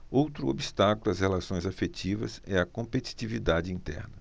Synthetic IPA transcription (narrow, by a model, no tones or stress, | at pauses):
owt̪ɾʊo̰bist̪akʊlʊɐshelasõj̃zafet͡ʃivɐsɛɐkõmpet͡ʃi̥t͡ʃivid̪ad͡ʒɪĩnt̪ɛ̰ɾnɐ